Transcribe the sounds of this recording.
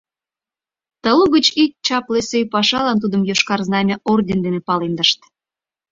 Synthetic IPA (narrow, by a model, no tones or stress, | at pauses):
t̪əluɣət͡ɕik̚t͡ɕɑplesøjpɑʃɑlɑnt̪̬ud̪əmjoʃkɑrznɑmʲeʔord̪ʲend̪enepɑlend̪əʃt̪